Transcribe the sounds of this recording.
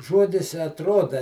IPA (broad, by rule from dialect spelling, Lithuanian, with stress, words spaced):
ˈʒuɔdʲɪs ɪ ɐtˈruɔdɐ